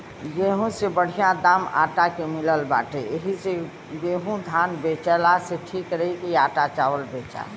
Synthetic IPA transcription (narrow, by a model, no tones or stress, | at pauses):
ɡeɦũsebəɽ̤ijãd̪ama̰ʈakemiləlba̰ʈeeɦise | ɡeɦũd̪ʱanbet͡ʃɛlaseʈʰikɾəɦikiaʈat͡ʃaʋəlbet͡ʃa̰